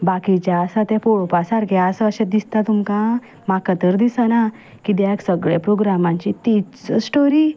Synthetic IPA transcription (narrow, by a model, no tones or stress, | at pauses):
bakit͡ɕaəsat̪ɛ̃poɭpasaɾɡaəsəəɕẽd̪ist̪at̪umkã | makət̪əɾd̪isəna | kid̪̬aaksəɡɭepɾoɡɾamãɲt͡ɕit̪it͡səsʈoɾi